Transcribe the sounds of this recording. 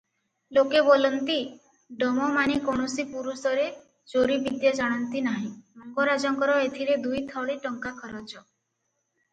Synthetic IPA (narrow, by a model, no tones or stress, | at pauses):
lokebolɔnt̪i | ɖɔmɔmanikoɳɔsipuɾusɔɾe | d͡ʒoɾibid̪jad͡ʒaɽ̃ɔnt̪inaɦĩmɔŋɡɔɾad͡ʒɔŋkɔɾɔet̪ʰiɾed̪ujt̪ʰɔwɭiʈɔŋkakʰɔɾɔt͡ʃʰɔ